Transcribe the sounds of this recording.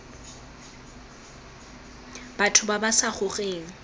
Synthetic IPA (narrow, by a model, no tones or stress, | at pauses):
b̥atʰʊbabasaχʊχeːŋ̩